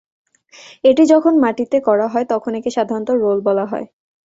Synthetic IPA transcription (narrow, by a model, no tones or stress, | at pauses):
eʈid͡ʑɔkʰonmaʈit̪ekɔɾaɦɔet̪ɔkʰonekeʃad̪ʱaɾont̪oɾolbɔlaɦɔ̰e